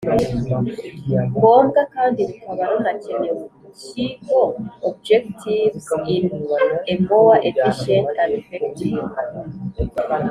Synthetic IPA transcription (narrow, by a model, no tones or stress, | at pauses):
ɡoːŋɡakaːndiβukaβaɾonacenewo | cikoob̚d͡ʒektʰivinembowaʔepeʃenaɾifektiŋa